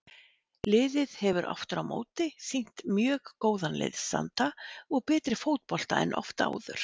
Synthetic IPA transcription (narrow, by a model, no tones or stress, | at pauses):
lɪːðɪðhɛvʏɾʔɔ̰ft̪ʏɾawmʔo̰ːwt̪ɪsiŋ̥t̪mjœːɣkoːwðanlɪ̰ðsa̰nt̪aɔɣpɛːt̪ɾɪfowt̪̚pɔl̥t̪aɛnʔɔ̰ft̪a̰ːwðʏ̰ɾ̥